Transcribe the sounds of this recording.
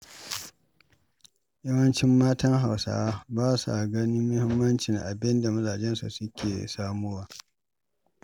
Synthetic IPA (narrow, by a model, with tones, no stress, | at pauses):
jɐ˦wɐ˦nt͡ʃɪ˦mːaː˦tɐ˦ŋɦa˨wsa̰ː˦baː˦su˨ʔa˨ɡɐ˦nɪː˦ʊ˦hɪ˦mːɐ˦nt͡ʃɪ˨ŋʔa̰˨bɪ˦nda˨mɐ˦zaː˨d͡ʒɛ˦nsṵ˨sʊ˦kʲʰḛː˨saː˦mu˦waː˨